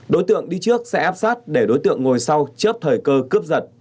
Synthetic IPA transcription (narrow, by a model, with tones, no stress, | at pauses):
ɗo˨˦jt̪ɨ̰˧˨əŋɗi˧t͡ɕɨ˦˥ək̚sɛ̰˧˥ʔaː˦˥p̚saː˦˥t̚ɗe˧˩ɗo˨˦jt̪ɨ̰˧˨əŋːo˨˩jsa˧wt͡ɕəː˦˥p̚t̪ʰəː˨˩jkəː˧kɨ˦˥əp̚zə˨˩t̚